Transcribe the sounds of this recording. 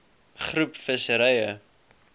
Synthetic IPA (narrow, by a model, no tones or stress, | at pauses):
χrupfəsəɾɛjə